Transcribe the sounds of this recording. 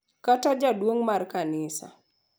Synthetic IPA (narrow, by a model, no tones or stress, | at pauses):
katɔd͡ʒadwoŋmarkanɪsa̰